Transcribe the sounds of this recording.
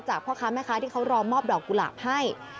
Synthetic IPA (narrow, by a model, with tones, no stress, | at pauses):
t͡ɕaː˨˩k̚pʰɔː˥˩kʰaː˦˥˩ma˥˩kʰa˦˥t̪ʰiː˥˩kʰa˦˥wɾɔː˧mɔː˥˩p̚dɔː˨˩k̚ːu˧˨la̰˨˩p̚ha˥˩j